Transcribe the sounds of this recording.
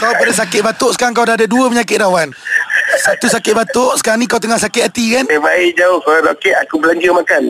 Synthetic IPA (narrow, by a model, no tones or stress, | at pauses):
kawpədəsakɪʔ̪̚bat̪ʊʔsə̥kaɾaŋk̬awdaɦadaduəpəɲakɪt̪̚dawansat̪usakɪt̪̚bat̪ʊʔsə̥kaɾanikawt̪əŋahsakɪt̪̚at̪ikanabaid͡ʒaʊhkaɾalokɪʔakubəlaɲd͡ʒəmakan